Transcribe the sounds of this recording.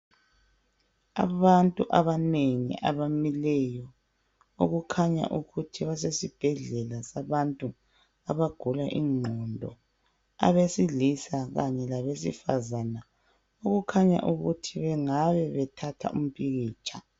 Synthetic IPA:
a̰βantʼuʔaβaneŋḭʔa̰βamilɛjɔ | o̰ɣukʰaɲa̰ʔuɣutʰiβasesib̥ʱɛɮɛlasaβantʼu | aβaɡ̥ʱulaʔiːŋ͡ǃʱɔndʱɔ̰ | a̰βesilisaɣaɲɛlaβesifa̰zana | oɣukʰaɲa̰ʔuɣutʰiβɛŋaβɛβɛtʰatʰa̰ṵm̩pʰʼiɣiːt͡ʃʰʼa

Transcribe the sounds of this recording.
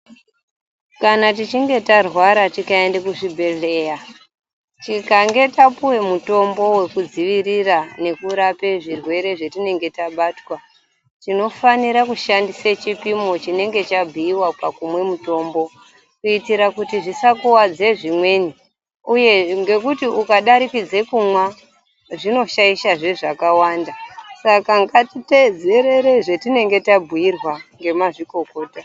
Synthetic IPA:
kanatit͡ʃiŋɡe̞tarwaɾatikaendekuʐibʱe̞ɮe̞ːja | t͡ʃikaŋɡe̞tapuwe̞muto̞mbo̞we̞kud͡ziʋirirane̞kuɾape̞ʐirwe̞ɾe̞ʐetine̞ŋɡe̞taɓaːtwa | tino̞faniɾakuʃandiset͡ʃipimo̞t͡ʃine̞ŋɡe̞t͡ʃabʱiːwapakumwe̞muto̞ːmbo̞ | kuitiɾakutiʐisakuwad͡ze̞ʐimwe̞ni | uje̞ŋɡe̞kutiukaɗaɾikid͡ze̞kumwa | ʐino̞ʃaiʃaʐe̞ʐakawandasakaŋɡatite̞d͡ze̞ɾe̞ɾe̞ʐe̞tine̞ŋɡe̞tabʱuirwaŋɡe̞maʐiko̞ko̞ːta

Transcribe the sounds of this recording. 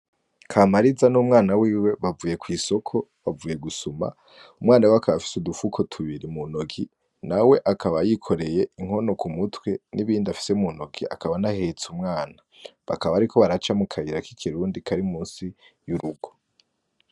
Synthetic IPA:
kʰamaɾizanuːmŋaːnawiːwe̞βavuːje̞kwiːso̞kʰo̞βavuːje̞ɡusuma̰ | umŋaːnaweakʰaβafi̥sudufukʰo̞tʰuβiɾimunoɡi | nawe̞ʔakaβajikʰo̞ɾe̞je̞iŋ̥ho̞no̞kumutwe̞niβiːndafi̥se̞muno̞ɡia̰kaβanahet͡sumŋaːna | βa̰kaβaɾikʰo̞βaɾat͡ʃamukʰajiɾakikʰiɾuːndikʰaɾimuːnsi | juɾuɡo̞

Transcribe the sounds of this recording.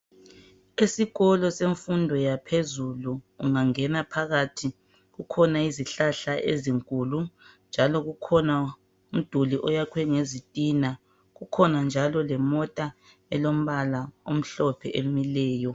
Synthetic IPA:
esiɣɔlɔseɱfundʱɔjapʰezuluːŋaŋɛnapʰaɣatʰi | ɣukʰɔnaiziɬaɬaʔḛziŋkʼulund͡ʒʱalɔɣukʰɔna | um̩d̥ʱuliʔɔjakʰwɛŋezitʼina | ɣukʰɔnand͡ʒʱalɔlɛmɔtʼa | ɛlom̩βalaom̩ɬɔpʰɛʔemilɛːjɔ

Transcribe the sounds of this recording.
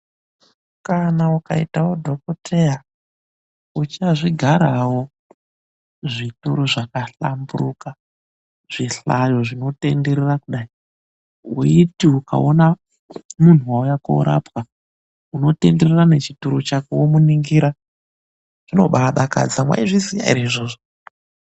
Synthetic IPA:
ukanauka̰itawo̞dʱo̞kotʰe̞ja | ut͡ʃaʐiɡʱaɾawo̞ | ʐituɾuʐakaɬamburuka | ʐ̥iɬajo̞ʐino̞te̞̰nde̞ɾerakuɗai | uitiuka̰ona | mun̤uwaujako̰ṵɾa̰pwa | uno̞te̞nde̞rerane̞t͡ʃituɾut͡ʃakuwomuniŋɡiɾa | ʐ̥ino̞̰ɓaaɗaka̰d͡zamwa̰iʐizija̰ḭɾeiʐoːʐo

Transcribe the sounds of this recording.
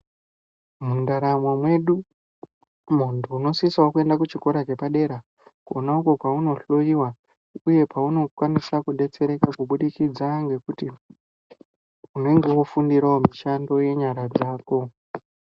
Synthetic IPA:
mundaɾamwamwe̞ɗu | muntʰuːno̞sisaokue̞ndakut͡ʃiko̞ɾat͡ʃe̞paɗe̞ɾa | kuonauko̞kwauno̞ɬo̞jiwa | uje̞pauno̞kwanisakuɗe̞t͡se̞ɾe̞kakuɓuɗikid͡zaŋɡe̞kuti | une̞ŋɡe̞wofundiɾaomiʃando̞je̞ɲaɾad͡zaːko̞

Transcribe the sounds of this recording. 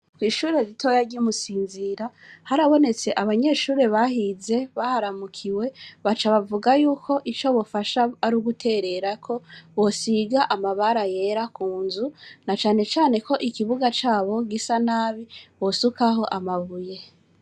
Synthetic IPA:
kwiːʃuːɾe̞ɾitʰo̞jaɾɟumusiːnziɾahaɾaβo̞ne̞t͡se̞ʔaβaɲe̞ʃuːɾe̞βahize̞βahaɾamukʰiwe̞βat͡ʃaβavuɡajuːkʰo̞ʔit͡ʃo̞βofaʃaːɾuɡutʰe̞ɾe̞ɾakʰo̞βo̞siɡaʔamaβaɾaje̞ɾakuːnzunat͡ʃaːne̞t͡ʃaːne̞kʰo̞ʔikiβuɡat͡ʃaːβo̞ɡisanaːβiβo̞sukaɦo̞ʔamaβuje̞

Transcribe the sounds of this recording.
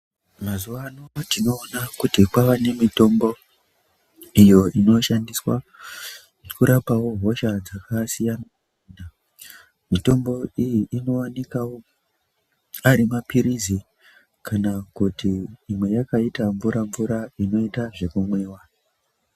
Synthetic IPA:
mazuʋanotino̞ːnakutikwaʋane̞mito̞mbo̞ | ijo̞ino̞ʃandiswa̰ | kuɾʔapawo̞ɦo̞ʃad͡zakasijana | iːnda | mito̞mbo̞ijiʔino̞ane̞kawo | aɾimapiɾizi | kanakutiːmwe̞jakaitaɱvuɾʔaɱvuɾaino̞itaʐe̞kumwe̞ːwa

